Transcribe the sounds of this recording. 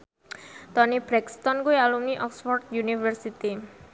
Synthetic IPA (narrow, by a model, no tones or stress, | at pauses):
t̪ɔnibɾɛkst̪ɔnkuealumniʔɔksfɔrd̪̚junifərsit̪i